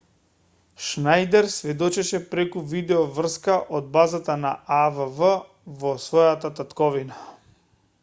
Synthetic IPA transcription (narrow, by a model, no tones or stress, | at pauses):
ʃnajd̪ɛɾsvɛd̪ɔt͡ʃɛʃɛpɾɛkuvid̪ɛɔvr̩skaʔɔd̪̚bazat̪anaavəvə | vɔsvɔjat̪at̪at̪kɔvina